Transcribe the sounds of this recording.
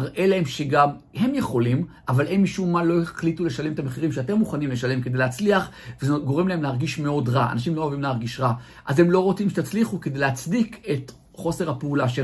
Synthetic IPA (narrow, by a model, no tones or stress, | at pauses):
ʔe̞lahe̞mʃeɡamhe̞mje̞χo̞lim | avalʔenmiʃumːanlo̞eeχlitule̞ʃale̞met̪ameχiʁimʃeate̞mːuχanimle̞ʃale̞mkedejleːat͡sliaχvezɡo̞ʁe̞mlae̞mlehaʁɡiʃme̞o̞dʁaa̰naʃ̬imlo̞javimlehaʁɡiʃʁa | ʔaze̞mlo̞ʁo̞t͡simʃet̪at͡sliχuked̪ejlehat͡sdike̞t | χo̞se̞ʁhapeulaʃe